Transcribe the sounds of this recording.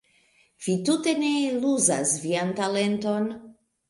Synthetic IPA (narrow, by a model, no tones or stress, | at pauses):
v̥itute̞ne̞luza̰sviantale̞nto̞n